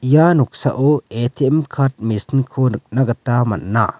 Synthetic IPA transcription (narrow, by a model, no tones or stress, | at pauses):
januksɐ̰ʔoet̪ʰiemkʰaɾt̚misnkʰonɨk̚nɐɡɐt̪ːamɐ̰nːa̰